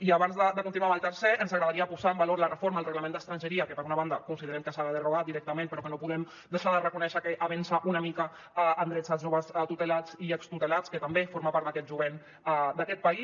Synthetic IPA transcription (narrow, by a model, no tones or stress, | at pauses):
iaβanzðəd̪əkunt̪inuaməlˠt̪əɾseʔənzaɣɾəðaɾiəpuzaəmbaloɾlərəfoɾmaəlrəɣləmend̪əst̪ɾanʒəɾiəkəpəɾunaβand̪əkunsiðəɾɛmkəsaβəðəruɣat̪̚d̪iɾɛk̚t̪əmẽnpəɾɔkənopuðɛm | d̪əʃaðərəkunɛʃəkəʔaβɛnsaʔunəmikə | aənd̪ɾɛd͡zazʒoβəst̪ut̪əlat͡siəkst̪ut̪əlat͡skət̪əmbefoɾmapaɾt̪d̪əkɛt̪ʒuβen | ad̪akɛt̪̚pəi